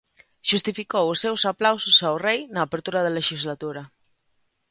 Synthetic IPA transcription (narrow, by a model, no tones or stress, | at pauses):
ʃust̪ifikowʊsːewsaplawsʊsawrejnaːpeɾt̪uɾaðɐleʃizlat̪uɾɐ